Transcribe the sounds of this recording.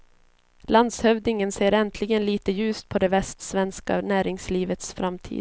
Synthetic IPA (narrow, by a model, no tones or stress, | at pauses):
land̪shœvd̪ɪŋənseːɾɛnt̪ʰlɪɡənliːt̪əjʉ̟ːst̪̚pʰɔd̪ɛvɛst̪svɛnska̰næːɾɪŋsliːvət̪sfɾamːt̪ʰḭːd̪